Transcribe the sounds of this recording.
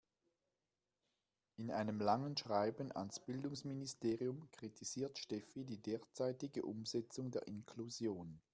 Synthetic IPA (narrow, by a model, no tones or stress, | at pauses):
ʔɪnʔa̰ɪnəmlaŋənʃʁ̥aɪbn̩a̰nsb̥ɪldʊŋsministeːʁiʊmkʁ̥itʰiz̥iːɐtʃtɛfidiːdeːɐt͡saɪtɪɡəʔʊmzɛt͡sʊŋdeːɐʔɪnkʰluzjoːn